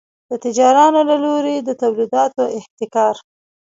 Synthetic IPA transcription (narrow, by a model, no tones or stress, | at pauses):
d̪̥ət̪ɪd͡ʒɑɾɑnolaloɾed̪ət̪awlid̪ɑt̪oɪht̪ɪkɑɾ